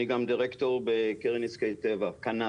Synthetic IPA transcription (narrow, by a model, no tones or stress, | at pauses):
iɡamd̪iʁekt̪o̞ʁbekeʁiniskejt̪ːevakana